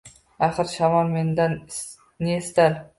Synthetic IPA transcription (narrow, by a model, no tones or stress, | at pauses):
aχɨɾʃamɒlme̞nd̪an | nest̪al